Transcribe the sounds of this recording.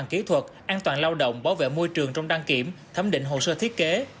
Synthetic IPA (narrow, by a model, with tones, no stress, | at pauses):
nki˨˦t̪ʰwə˨˩t̚ʔaː˧nt̪waː˨˩nlaː˧wɗə̰˧˨wŋ͡mɓaː˨˦wvḛ˧˨mo˧jt͡ɕɨ˨˩əŋt͡ɕɔ˧wŋ͡mɗaː˧ŋki˧˩əmt̪ʰə˨˦mɗḭ̈˧˨ŋ̟ɦo̰˧˨˩səː˧t̪ʰi˦˥t̚ke˨˦